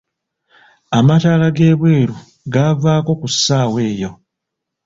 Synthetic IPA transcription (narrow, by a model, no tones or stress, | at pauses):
amataːlaɡe̞ːβweːɾu | ɡavaːko̞kusːaːwe̞ːjo̞